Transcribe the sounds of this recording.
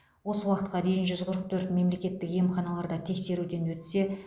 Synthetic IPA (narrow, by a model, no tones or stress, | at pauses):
wo̞səwɑqət̪̚qɑd̪e̞jɪnʒʏzqʰəɾəq̚t̪ʰɵɾt̪me̞mle̞kʲe̞t̪ːɪkje̞mχɑnɑlˠɑɾd̪ɑt̪ʰe̞kse̞ɾud̪e̞nwɵt̪se̞